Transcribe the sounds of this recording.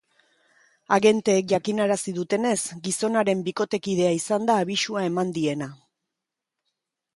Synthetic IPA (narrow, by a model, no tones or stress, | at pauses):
aɣe̞nt̪e̞ːk̚ʝakinaɾasið̞ut̪e̞ne̞sɡiso̞naɾe̞mbiko̞t̪e̞kið̞e̞aisand̪aːβ̞isuae̞mand̪ie̞na